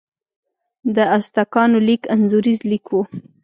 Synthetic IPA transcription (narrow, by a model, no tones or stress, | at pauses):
d̪əast̪akɑnolikanzuɾizlikwu